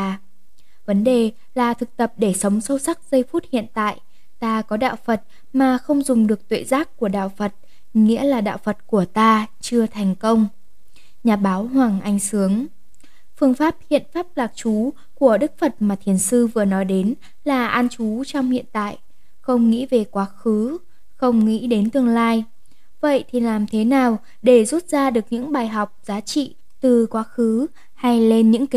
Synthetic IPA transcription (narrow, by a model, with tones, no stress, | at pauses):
və˨˦nɗe˨˩ | laː˨˩t̪ʰɨ˨˩k̚t̪ə˨˩p̚ɗe˧˩sə˨˦wŋ͡msə˧wsa˦˥k̚zə˧jfu˦˥t̚hḭ˧˨ənt̪a̰ː˧˨j | t̪aː˧kɔ˨˦ɗa̰ː˧˨wfə˨˩t̚ | maː˨˩xə˧wŋ͡mzʊ˨˩ŋ͡mɗɨ˨˩ək̚t̪wḛ˧˨zaː˦˥k̚kːu˧˩əɗa̰ː˧˨wfə˨˩t̚ | ŋḭ˧˥əlaː˨˩ɗa̰ː˧˨wfə˨˩t̚ku˧˩ət̪aː˧t͡ɕɨ˧ət̪ʰɛ˨˩jŋ̟kə˧wŋ͡m | ɲaː˨˩ɓaː˨˦whwaː˨˩ŋʔa˧jŋ̟sɨ˨˦əŋ | fɨ˧əŋfaː˦˥p̚hḭ˧˨ənfaː˦˥p̚laː˨˩k̚t͡ɕu˨˦ | ku˧˩əɗɨ˦˥k̚fə˨˩t̚maː˨˩t̪ʰi˨˩ənsɨ˧vɨ˨˩ənɔ˨˦jɗe˨˦n | laː˨˩ʔa˧nt͡ɕu˨˦t͡ɕɔ˧wŋ͡mhḭ˧˨ənt̪a̰ː˧˨j | xə˧wŋ͡mŋḭ˧˥ve˨˩kwaː˨˦xɨ˨˦ | xə˧wŋ͡mŋḭ˧˥ɗe˨˦nt̪ɨ˧əŋlaː˧j | və̰˧˨jt̪ʰi˨˩laː˨˩mt̪ʰe˨˦naː˨˩w | ɗe˧˩zu˦˥t̚z̥aː˧ɗɨ˨˩ək̚ɲɨ̰˧˥ŋɓaː˨˩jɦɔ˨˩wk͡p̚zaː˨˦t͡ɕḭ˧˨ | t̪ɨ˨˩kwaː˨˦xɨ˨˦ | ha˧jle˧nɲɨ̰˧˥ŋki˨˦